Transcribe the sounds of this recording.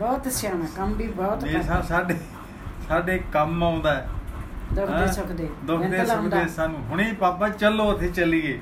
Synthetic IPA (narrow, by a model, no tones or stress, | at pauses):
bɔːt̪əsjaːnãːkəmbʱiːbɔːt̪eːsãːsaːɖeː | saːɖeːkəmaːʊ̃nd̪aːɛːd̪ʊkʰd̪eːsəkd̪eːd̪ʊkd̪eːsək̪d̪eːsaːnũːɦʊɽ̃iːpaːpãːt͡ʃəlːoːət̪ʰeːt͡ʃəliːeː